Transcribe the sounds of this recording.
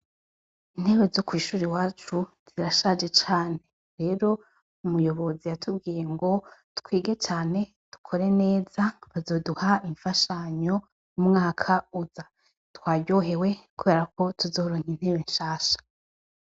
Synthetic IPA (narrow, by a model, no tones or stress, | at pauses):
in̥he̞βe̞zokwiːʃuːɾiwaːt͡ʃuz̥iɾaʃad͡ʒe̞t͡ʃaːne̞ | ɾe̞ːɾo̞ | umujo̞βo̞zijatʰub̚ɡiːje̞ŋɡo̞tkwiːɡe̞t͡ʃaːne̞ | tu̥kʰo̞ɾe̞ne̞ːz̥aβazo̞ːduhaimfaʃaɲo̞ | jumŋaːkʰauza | twaːɟo̞ɦe̞we̞kuβe̞ɾakʰo̞tuzo̞ːɾoɲin̥he̞βenʃaːʃḁ